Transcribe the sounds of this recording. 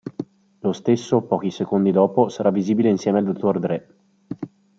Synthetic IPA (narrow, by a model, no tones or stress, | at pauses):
lost̪esːopɔːk̟isekond̪id̪ɔːposaɾavːiziːbileinsjɛːmeald̪ot̪ʰːord̪ɾɛ